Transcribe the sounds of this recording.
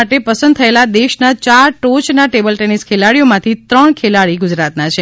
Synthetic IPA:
aʈepəsə̃nd̪̚t̪ʰəelad̪eʃnat͡ʃaɾʈot͡ʃnaʈebəlʈeniskʰelaɽijomãt̪ʰit̪ɾəɳkʰelaɽiɡʊd͡ʒɾat̪nat͡ʃʰe

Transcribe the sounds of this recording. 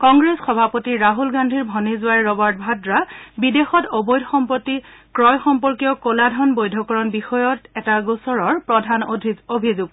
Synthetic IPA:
kɔŋɡɹesxɔbʱapotiɹaɦulɡandʱiɹbʱɔnizwajɹɔbaɹt̚bʱadɹabidexɔtobojdʱxɔmpotːikɹɔjxɔmpɔɹkijɔkoladʱɔnbojdʱɔkɔɹɔnbixɔjɔtɛtaɡusɔɹɔɹpɹɔdʱanodʱiobʱizuɡ̚

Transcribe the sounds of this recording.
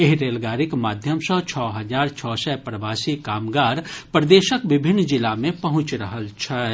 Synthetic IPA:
eɦɾeːlɡaːɾɪkmaːd̪ʱjəmsɔt͡ʃʰɔːɦɐzaːɾt͡ʃʰɔːsɛpɾəʋaːsikaːmɡaːɾpɾd̪eːʃəkʋɪbʱɪnːd͡ʒɪlamẽpɐɦʊ̃t͡ʃɾɐɦəlt͡ʃʰɛ

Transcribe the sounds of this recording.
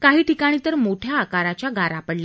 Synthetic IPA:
kaɦiːʈikaɽ̃iːt̪əɾmoʈʰjaːkaɾat͡ɕjaɡʱaɾapəɽla

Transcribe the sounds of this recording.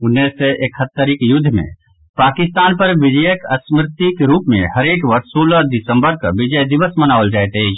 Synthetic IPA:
ʊnːeseʔekʰhət̪ːəɾɪkjʊd̪ʱːmḛ̃ | paːkɪst̪aːnpəɾʋɪd͡ʒəjəkəsmɾɪt̪ikɾuːpmḛ̃həɾeːkʋəɾssoːləd̪ɪsə̃mbəɾkaʋɪd͡ʒəjd̪ɪʋəsmənaːʋəld͡ʒaːɛt̪e

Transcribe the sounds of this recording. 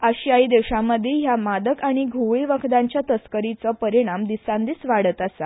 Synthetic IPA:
əɕiaid̪ewɕamːəd̪ʱːjeɦjamad̪əkaɽ̃iɡʱuʋiʋəkʰd̪aɲt͡ɕjat̪əskəɾit͡səpəɾiɽ̃amd̪isãnd̪iːsʋaɽət̪asa

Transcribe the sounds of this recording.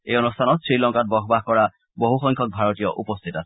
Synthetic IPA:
eɔnustʰanɔtsɹilɔŋkat̚bɔkbaɦkɔɹa | boɦuxɔŋkʰɔk̚bʱaɹɔtijɔʔupɔst̪ʰitasʰɛ̥

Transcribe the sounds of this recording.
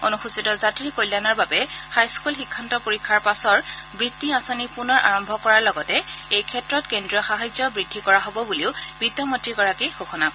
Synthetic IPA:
onuxusitɔzatɹikojlːanaɹbabɛhajskulxikʰːantɔpoɹikʰːaɹpasɔɹbɹitːiasɔnipunɔɹʔa̰ɹɔmbʱɔkɔɹaɹlɔɡɔtɛejkʰɛtɹɔtkendɹijɔxaɦajzjɔbɹidʱːikɔɹaɦobɔbuliʊbitɔmɔtɹikɔɹakejxoxɔnak

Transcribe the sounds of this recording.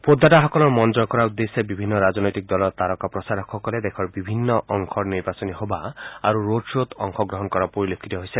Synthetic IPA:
pod̪ːaʈaɦɔkɔlɔɾmɔnd͡ʒɔɾkɔɾaud̪esebibʱinːɔɾad͡ʒɔnɔjt̪ik̚d̪ɔlɔɾt̪aɾɔkapɾɔsaɾɔkʰːɔkɔled̪ekʰɔɾbibʱinːɔʔɔŋkʰɔɾniɾbasɔniɦobaa̰ɾuɾoɖsot̪ɔŋkʰɔɡɾɔɦɔnkɔɾapoɾilokʰːit̪ɔɦojse

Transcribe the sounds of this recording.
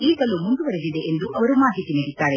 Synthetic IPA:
iːɡɐlumuɳɖ̪uʋɐɾed̪id̪eʔend̪uʔɐʋɐɾumaːɦit̪ːinɐɽit̪ːaːɾe

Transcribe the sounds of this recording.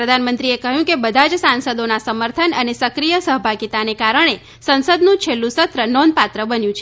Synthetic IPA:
ɾəd̪ʱanmənt̪ɾiekəɦjũkebəd̪ʱad͡ʒsãnsəd̪onasəməɾt̪ʰənənesəkɾijəsəɦəbʱaɡit̪anekaɾəɽ̃e | sənsəd̪nũt͡ʃʰelːũsət̪ɾənɔnd̪̚pat̪ɾəbənjũt͡ʃʰe

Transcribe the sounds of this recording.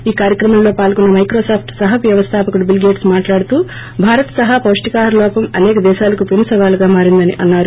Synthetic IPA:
iːkaːɾjɐkɾɐmɐmlo̞ːpaːlkunːɐmɐjkɾoːsaːpʰʈsɐɦɐʋjɐʋɐst̪ʰaːpɐkuɽubilɡeːʈsmaːʈlaːɽut̪uː | bʱaːɾɐt̪sɐɦɐpɐːʂʈikaːɾlɔːpɐmɐnɛːkɐd̪ɛːʃaːlɐkupinsɐʋaːluɡaːmaːɾind̪ɐnḭʔɐnːaːɾu

